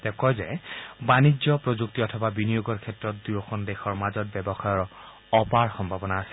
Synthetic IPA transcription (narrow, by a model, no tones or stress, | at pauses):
tɛkɔjzɛbanizɔpɹozuk̚tiɔtʰɔbabinijoɡɔɹkʰɛtɹɔt̚dujɔxɔndexɔɹmazɔt̚bɛbɔxajɔɹ | ɔpaɹxɔmbʱabɔnaːsɛ̥